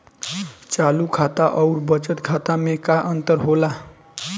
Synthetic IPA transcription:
t͡ʃalukʰat̪aʔʌwɾbʌt͡ʃət̪kʰat̪amekaʔənt̪əɾɦola

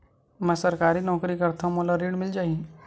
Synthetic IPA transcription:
mɛ̃sɐɾkaːɾinɔːkɾikɐɾt̪ʰamolaɾiːɽmɪld͡ʒaːi

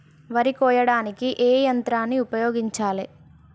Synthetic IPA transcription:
ʋɐɾikɔːjɐɽaːnikiʔeːjɐnt̪ɾaːnːiupɐjoːɡiɲt͡ʃaːle

